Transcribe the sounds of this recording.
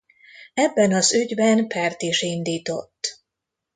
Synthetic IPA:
ɛbːɛnɒzyɟbɛnpɛrt̪iʃind̪iːt̪o̞̰t̪ː

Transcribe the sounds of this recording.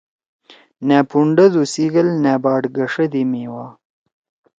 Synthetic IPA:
næpuɳɖəd̪usiɡəlnabɑːɖɡəʂəd̪imiwɑ

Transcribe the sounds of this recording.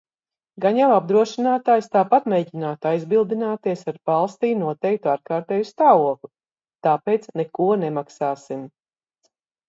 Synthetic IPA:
ɡaɲjawab̚d̪ɾuɔʃinaːt̪aːjst̪aːpat̪̚meːɟinaːt̪ajzbilˠd̪inaːt̪iɛsaɾbalˠst̪iːnuɔt̪ɛjk̚t̪uaɾkaːɾt̪ɛːjust̪aːvuɔklˠu | t̪aːpeːjt̪snekuɔnemaksaːsim

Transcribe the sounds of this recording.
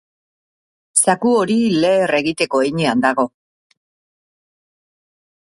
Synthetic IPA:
sakuo̞ɾile̞ːre̞ɣit̪e̞ko̞ejɲeand̪aɣ̞o̞

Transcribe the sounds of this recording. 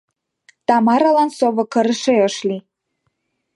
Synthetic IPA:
t̪ɑmɑɾɑlɑnsoβɤ̆kə̆ɾəʃeəʃli

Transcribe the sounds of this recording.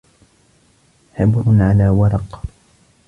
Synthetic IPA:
ħɪbɾʕalaːwɑɾˤɑq

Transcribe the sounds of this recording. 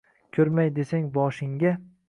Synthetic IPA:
kʲʰɵɾmajd̪e̞saŋbɒʃɪŋɡʲa

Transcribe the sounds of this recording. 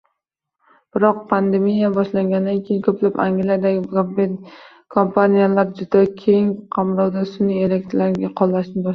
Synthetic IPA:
b̥ɪɾɒq̚pʰand̪emijabɒʃlaŋɡʲanɪd̪ankʲʰejɪnkʰɵplapa̰ŋɡʲlijad̪aɡʲɪbe | kʰompʰanijalaɾd͡ʒʊd̪akʲʰe̞ŋqʰɑmɾɒwd̪asʊnɪeɾekʲt̪laɾɡʲaqʰɒlˠːaʃnɪbɒ

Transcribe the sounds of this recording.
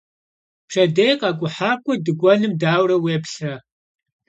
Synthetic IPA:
pʂɐdejqɑːkʷʼʊħaːkʷʼʊdɨɡʷʼɔnɨmdaːwrɐweːpɬɐ

